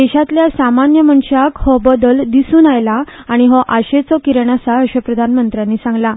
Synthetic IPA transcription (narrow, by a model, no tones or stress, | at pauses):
d̪ɛɕat̪ljasamanjəməɳɕakhɔbəd̪əld̪isuːnajlaːɽ̃iɦɔʔaɕet͡sɔkiɾəɳ̃asaəɕəpɾəd̪ʱanmənt̪ɾjanːiːsãŋɡla